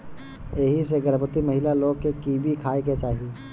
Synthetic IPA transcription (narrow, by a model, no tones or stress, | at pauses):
eɦiseɡəɾbət̪imɐɦɪlaloːɡ̚kekiːbʱikʰaːeket͡ʃaːɦie